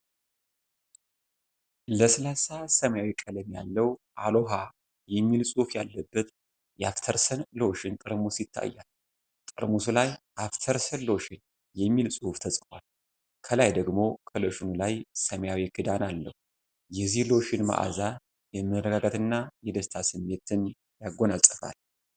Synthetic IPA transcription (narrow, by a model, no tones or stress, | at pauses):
ləsəlasasəmjawikʼələmja̰lːəwʔalo̞ɦa | jɛmːilsʼufja̰lːəbːət̪ | jɛaft̪ʰəɾsənlowʃɪnt̪ʼɨɾmusit̪ʰːa̰jːal | t̪ʼɨɾmusulaj | aft̪ʰəɾsənloʃɪn | jɛmːilsʼuhft̪ʰəsʼɨfwal | kʰəlajd̪əɡmo̞kʰəloʃɪnulajsəmjawiɡɨd̪analːəhu | jɛzihloʃɪnma̰ʔa̰za | jɛmɨɾəɡaɡat̪ɨnːajɛd̪əst̪ʰasɨmːe̞t̪ɨn | jaɡːo̞nalsʼəfa̰l